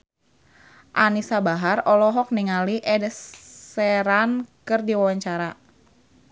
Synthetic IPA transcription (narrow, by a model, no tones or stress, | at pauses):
ʔanisabaɦarɔlɔɦɔk̚niŋaliʔɛdəsɛɾankɨrdiwawaɲt͡ʃaɾa